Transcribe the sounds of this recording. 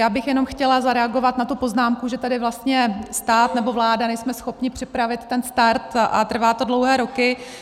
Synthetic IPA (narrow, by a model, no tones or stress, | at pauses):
jaːbɪxjɛno̞mxcɛlazaɾɛaɡo̞vat̪nat̪upo̞znaːmkuʒɛt̪adɪvlast̪ɲɛst̪aːt̪nɛbo̞vlaːdanɛjsmɛsxo̞pɲɪpr̝̥ɪpɾavɪt̪ːɛnst̪aɾt̪ʔa̰t̪r̩vaːt̪o̞dlowɦɛːɾo̞kɪ